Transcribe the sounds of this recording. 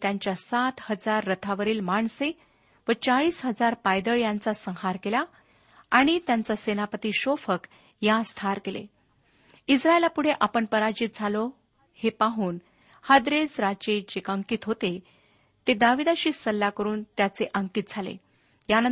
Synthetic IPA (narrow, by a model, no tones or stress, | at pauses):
t̪jaɲt͡ɕjasat̪həd͡zaɾːət̪ʰaʋəɾiːlmaɳse | ʋət͡saɭiːsɦəd͡zaɾpajd̪əɭjant͡sasə̃ŋɦaɾkela | aɽ̃it̪jant͡sasenapət̪iːɕofək | jãsʈʰaɾkelḛ | isɾaelapuɽ̤eʔapəɳpəɾad͡ʑiːt̪̚d͡zʱalo | hepaɦuːn | had̪ɾed͡zɾat͡ɕed͡ʑekəŋkiːt̪ɦot̪e | t̪ed̪aʋid̪aɕiːsəlːakəɾuːnt̪jat͡seʔəŋkiːt̪̚d͡zʱalḛ | janə